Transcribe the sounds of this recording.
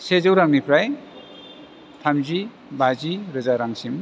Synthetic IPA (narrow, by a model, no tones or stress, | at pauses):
sed͡ʒɯwɾaŋnipʰɾaj | t̪ʰamzi | bʱaziɾɯzaɾaŋsim